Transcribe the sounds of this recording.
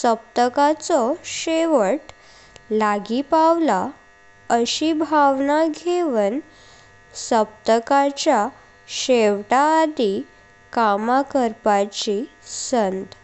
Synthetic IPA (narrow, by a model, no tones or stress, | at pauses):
səp̚t̪əkat͡sɔɕeʋəʈ | laɡipaʋla | əɕibʱaʋnaɡʱeʋən | səp̚t̪əkat͡ɕja | ɕeʋʈaːd̪i | kamakəɾpat͡ɕi | sənt̪